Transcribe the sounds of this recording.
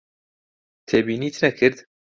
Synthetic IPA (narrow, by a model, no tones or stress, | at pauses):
t̪ʰeːbiːniːt̪ʰɨnɛkʰɨɾd̪